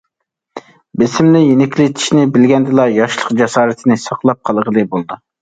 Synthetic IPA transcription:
bɪsɪmnɪjenɪkʲlɪt̪ʰi̥ʃnɪbɪlɡʲɛnd̪ɨlˠɑjɑʃlˠəqd͡ʒɛsɑːɾɨt̪ʰɪnɪsɑqlˠɑp̚qʰɑlˠʁəlˠɨbolˠd̪u

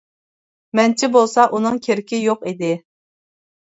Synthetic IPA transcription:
mɛnt͡ʃʰɪbolˠsɑʔunɨŋkʲʰeɾɪkʲɪjoqid̪ɪ

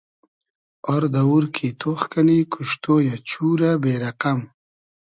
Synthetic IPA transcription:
ɔɾd̪ɐuɾkʰit̪ʰoχkanikʰuʃt̪oːjat͡ɕuːɾabeɾaqam

